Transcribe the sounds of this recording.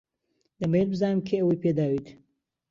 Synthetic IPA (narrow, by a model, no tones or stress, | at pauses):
d̪ɐmeelbɨzaːnɨmkʰeɐwɐjpʰed̪aːwit̪